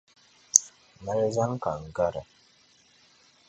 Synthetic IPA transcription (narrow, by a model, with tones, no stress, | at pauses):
ma˦ɾza˦ŋ˦ka˨ŋ̩˨ɡa˦ɾa̰˨